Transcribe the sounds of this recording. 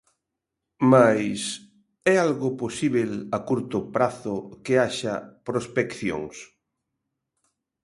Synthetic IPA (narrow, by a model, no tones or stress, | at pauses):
majs | ɛalɣoposiβelakuɾt̪ʊpɾaθʊkeaʃapɾospekθjo̰ŋs